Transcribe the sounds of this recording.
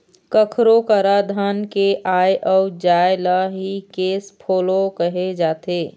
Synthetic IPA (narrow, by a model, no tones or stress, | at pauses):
kəkʰɾokəɾad̪ʱaːnkeʔaːeʔɔːʊd͡ʒaːjlaɦikeːspʰoːlokəɦed͡ʒaːt̪eː